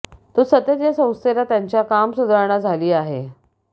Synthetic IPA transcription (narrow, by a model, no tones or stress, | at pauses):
t̪usət̪ət̪jasə̃w̃st̪elat̪jaɲt͡ɕjakamsud̪ʱaɾɳ̃ad͡zʱaliːaɦḛ